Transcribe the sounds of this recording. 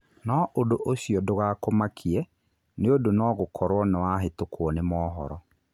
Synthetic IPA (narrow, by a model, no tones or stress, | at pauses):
nɔʔodoʔoɕiɔdoɣaːkomakʰiɛ | neodonɔːɣokʰɔɾwɔnewaɦetokʰwɔnemɔːɦɔ̰ɾɔ